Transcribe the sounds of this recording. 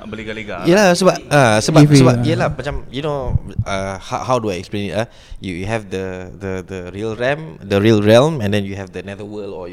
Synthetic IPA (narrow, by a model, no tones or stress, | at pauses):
bəliɡaliɡajɛlasobaʔasobasobapjɛlamat͡ʃãmjunoahahawduajɛksplẽnita | jujuɦɛvdədədəɹiəlɹɛmdəɹiəlɹɛlmɛ̃ndɛ̃njuɦɛvdənɛdəwəlɔ̰